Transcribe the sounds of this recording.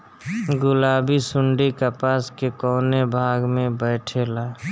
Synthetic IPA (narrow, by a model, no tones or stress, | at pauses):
ɡʊlaːbisʊɳɖikapaːskekɔːnebʱaːɡmẽbɛːʈʰelaː